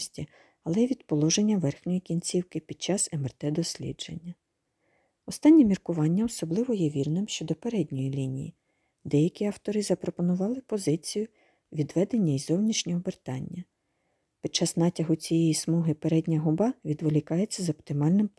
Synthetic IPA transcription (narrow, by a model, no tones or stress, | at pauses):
sʲtʲi | ɐlˠɛʋʲid̪pɔlˠɔʒenʲːɐʋɛrxnʲɔjikʲinʲt͡sʲiwkɪpʲid̪̥̚t͡ʃɑsemɛrt̪ɛd̪ɔsʲlʲḭdd͡ʒḛnʲːɐ | ɔst̪ɑnʲːimʲirkʊʋɑnʲːɐɔsɔblˠɪʋɔjɛʋʲirnɪmʃt͡ʃɔd̪ɔpeɾɛd̪ʲnʲɔjilʲinʲijḭ | d̪ɛjɐkʲiɑwt̪ɔɾɪzɐpɾɔpɔnʊʋɑlˠɪpɔzɪt͡sʲijʊ | ʋʲid̪ʋɛd̪enʲːɐizɔwnʲiʃnʲɔɦɔbert̪ɑnʲːɐ | pʲid̚t͡ʃːɑznɑtʲɐɦʊt͡sʲijɛjismɔɦɪpeɾɛdʲnʲɐɦʊbɑʋʲid̪ʋɔlʲikɑjet͡sʲːɐzɔpt̪ɪmɑlʲnɪm